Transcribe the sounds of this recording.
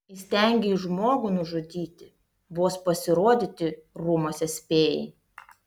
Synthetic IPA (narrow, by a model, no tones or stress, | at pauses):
ɪsʲt̪ʲɛˑŋʲɡʲɛɪʒmoːɡunʊʒʊd̪ʲiːt̪ʲɪ | boːspɐsʲɪɾoɔd̪ʲɪt̪ʲɪɾʊmoːsʲɛsʲpʲeːjɛ̰ɪ